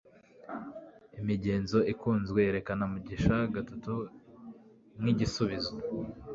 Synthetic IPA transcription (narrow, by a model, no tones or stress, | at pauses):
imiɟe̞ːnzo̞ikuːnzɡwe̞eɾe̞kanamuɟiʃaɡatatu | mŋiɟisuβizo